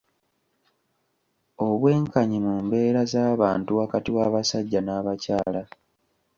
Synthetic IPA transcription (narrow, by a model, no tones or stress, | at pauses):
o̞βwe̞ːŋkaɲimuːmbe̞ːɾazaːβaːntuwakatiwaːβasaɟːanaːβacaːla